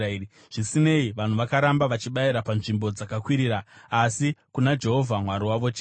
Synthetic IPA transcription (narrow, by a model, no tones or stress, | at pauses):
ɾi | ʐ̥isine̞iʋan̤uʋakaɾambaʋat͡ʃiɓaiɾapanʐimbo̞d͡zakakwiɾiːɾaːsikunad͡ʒe̞ɦo̞vʱamwaɾiwaʋo̞t͡ʃe